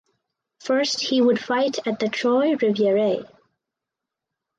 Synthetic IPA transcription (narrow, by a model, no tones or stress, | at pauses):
fɜ˞st̚hiwəd̥faɪɾɨt̪̚ðɨtʰɹ̥ɔɪɹɪvjəɹeɪ